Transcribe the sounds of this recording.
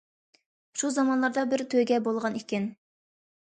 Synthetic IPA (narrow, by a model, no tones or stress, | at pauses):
ʃuzɑmɑnlˠɑɾd̪ɑbɪɾt̪ʰøɡʲɛbolˠʁɑnikʲɪn